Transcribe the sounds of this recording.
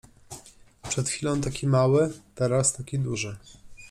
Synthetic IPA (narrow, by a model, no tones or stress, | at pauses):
pʂɛt̪xfʲilɔ̃w̃t̪akʲimawɘt̪ɛɾast̪akʲid̪uʐɘ